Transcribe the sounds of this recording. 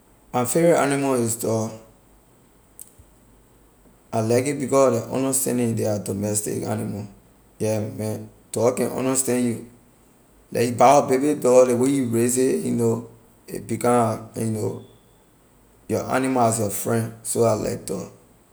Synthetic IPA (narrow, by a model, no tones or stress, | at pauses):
ãnfɛɹia̰nimaistɔ | alakit̚bikɔsdeʔɔ̰̃ndəstɛ̰̃ndĩdeadɔmɛstḭka̰nima | jɛmɛ̃n | tɔkɛ̃nʔɔ̰̃ndastɛ̃nju | lɛ̰ibaɔbebidɔlewejuɹezejṵno | ḛbikãjuno | jɔʔa̰nimaasjɔfɹɛ̃ndsoala̰k̚tɔ̰